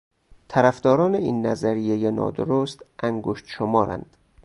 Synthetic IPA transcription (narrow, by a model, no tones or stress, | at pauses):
t̪ʰæɾæfd̪ɒːɾɒːneiːnːæzæɾijejenɒ̰ːd̪oɾost̪ʔæŋɡoʃt̪ʃomɒːɾæ̰nd̪̥